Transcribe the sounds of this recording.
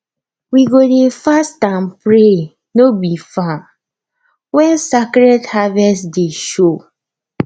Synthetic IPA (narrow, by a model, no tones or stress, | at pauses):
wiɡodefastãmpɹe | nobifa | wɛ̃nsakɾɛthavɛsdeʃo